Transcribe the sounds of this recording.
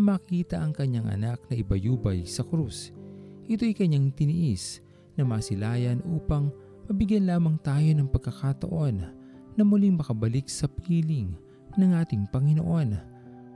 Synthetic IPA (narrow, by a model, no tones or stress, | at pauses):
makiːt̪ɐʔɐŋkɐɲːaŋʔɐ̰nak̚nɐʔɪbɐjuːbɐjsɐkɾusʔɪt̪o̞jkɐɲːaŋt̪ɪnɪʔis | nɐmaːsɪlaːjɐnʔuːpɐŋ | mɐbɪɡjɐnlaːmɐŋt̪aːjo̞nɐŋpɐɡ̚kːɐkat̪ɐ̰ʔo̞nː | ɐmuliŋmɐkɐbɐlik̚sɐpʰiːlɪŋ | nɐŋʔaːt̪ɪŋpɐŋɪno̰ʔo̞n